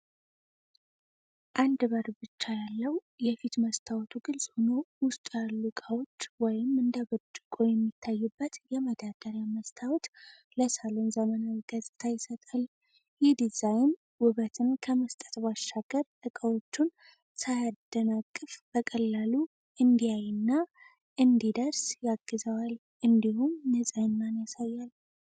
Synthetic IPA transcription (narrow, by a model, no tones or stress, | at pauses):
ʔand̪bəɾbɨt͡ʃːajalːəw | jɛfit̪məst̪ʰawt̪ʰuɡɨlsʼhono̞wʊst̪ʼalːukʼawot͡ʃːwɔjɪmːɨnd̪aβət͡ʃʼːɨkʼojɛmːit̪ʰːajːubːət̪jɛməd̪ad̪əɾjaməst̪ʰawt̪ | ləsalo̞nzəmənawiɡ̥əzʼɨt̪ʰajɪsət̪ʼal | jɪhd̪izajn | wʊβət̪ʰɨnkʰəməst̪ʼə̥t̪baʃːaɡ̥əɾt̪ʼɨkʼəwo̞t͡ʃːun | sajad̪̥ːənakʼːɨfb̥əkʼəlːalu | ʔɨnd̪ijajɪnːa | ʔɨnd̪id̪əɾsjaɡːɨzəwal | ʔɨnd̪ihumnəzʼajnːanjasajːal